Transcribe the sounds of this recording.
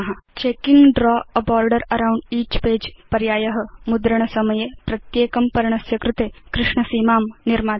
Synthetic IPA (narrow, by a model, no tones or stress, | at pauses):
ɦɐt͡ʃeːkiŋɡɖɾɔːɐbaːɾɖɐɾɐɾawɳɖiːt͡ʃpeːd͡ʒpɐɾjaːjɐɦɐ̆mud̪ɾɐɳ̃ɐsɐmɐjepɾɐt̪jeːkɐmpɐɾɐɳ̃ɐsjɐkɾɪt̪eːkɾɪʂɳɐsiːmaːmniɾmaː